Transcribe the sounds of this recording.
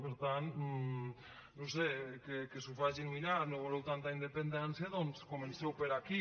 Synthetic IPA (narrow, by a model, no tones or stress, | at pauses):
peɾt̪an | nowsekekesufaʒinuinaɾnoβolewt̪ant̪aind̪epend̪ɛnsjaðonskomensɛwpeɾaki